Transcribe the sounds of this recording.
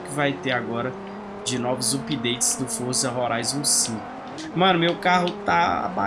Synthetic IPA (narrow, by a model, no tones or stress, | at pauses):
kɪvajt̪eɾaɡɔɾɐ | d͡ʒɪnɔvʊzupid̪ejt͡ʃɪ̥zd̪ʊfoɾsɐɦoɾʔajzosĩkʊ | mɐ̃nʊmewkaɦʊt̪aa̰ba̰